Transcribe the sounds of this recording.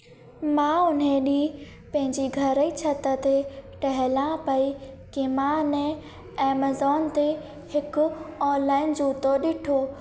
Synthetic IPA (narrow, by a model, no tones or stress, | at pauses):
mãʊn̤ẽɗĩː | pɐ̃ɦɪ̃ɲd͡ʑiɡʱɐɾəit͡ɕʰɐt̪ət̪ʰeʈɐɦɪlãpɐi | kɪmãʊnẽ | eːmɐzɔːnt̪e | hɪkʊɔːnlaːɪnd͡ʑuːt̪oɗɪʈʰoː